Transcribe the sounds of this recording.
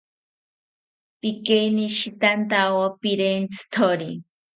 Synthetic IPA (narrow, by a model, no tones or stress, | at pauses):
pikeniʃit̪ant̪awopiɾent͡sʰɨ̥t̪ʰoɾi